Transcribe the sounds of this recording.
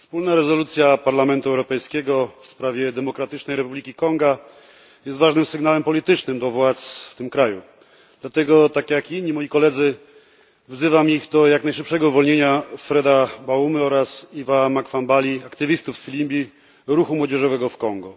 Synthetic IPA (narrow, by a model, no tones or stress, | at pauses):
fspulnaɾɛzɔlut̪sʲjapaɾlamɛnt̪uɛwɾɔpɛjskʲɛɡɔfspɾavʲjɛd̪ɛmɔkɾat̪ɘt͡ʂnɛjɾɛpublʲikʲikɔŋɡa | jɛst̪vaʐnɘmsɘɡnawɛmpɔlʲit̪ɘt͡ʂnɘmd̪ɔvwat̪sft̪ɘmkɾaju | d̪̥lat̪ɛɡɔt̪akjakiɲɲːimɔjikɔlɛd̪zɘ | vzɘvamiɣd̪ɔjaknajʂɘpʂɛɡɔuvɔlɲeɲafɾɛd̪abaumɘɔɾasivamakfambalʲiakt̪ɘvʲist̪ufsfʲilʲimbʲi | ɾuxumwɔd͡ʑɛʐɔvɛɡɔfkɔŋɡɔ